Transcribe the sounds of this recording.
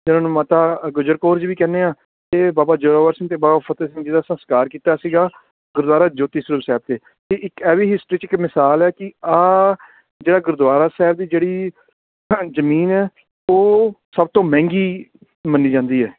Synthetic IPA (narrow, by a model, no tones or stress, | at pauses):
t̪ɪnãːnũːmãːt̪aːɡʊd͡ʒəɾkoːɾd͡ʒʋiːkɛːneːãː | t̪eːbaːbaːd͡ʒoːɾaːʋəɾsɪŋt̪eːbaːbaːpʰət̪eːsɪŋɡd͡ʒiːd̪aːsə̃skaːɾkiːt̪aːsiːɡaː | ɡʊɾd̪waːɾaːd͡ʒoːt̪iːsəɾəpsɛːb̚t̪eː | t̪eːʔɪkɛːʋiːɦɪsʈɾiːt͡ʃɪkmɪsaːlɛːkɪaː | d͡ʒeːɽaːɡʊɾd̪waːɾaːsɛːbd̪iːd͡ʒeːɽiː | zəmiːnɛː | oːsəb̚t̪õːmɛ̃ːŋɡiː | mənːiːd͡ʒãːnd̪iːɦɛː